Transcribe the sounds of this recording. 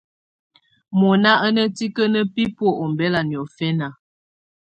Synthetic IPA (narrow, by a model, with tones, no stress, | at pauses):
mɔ˨na˦ʔə˦nə˦ti˦kə˦nə˦pi˦po˦ʔo˨m˨bɛ˦la˨njɔ˨fɛ˦na˨